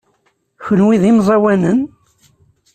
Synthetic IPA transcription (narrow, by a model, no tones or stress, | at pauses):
çənwiðimzˤɑwænən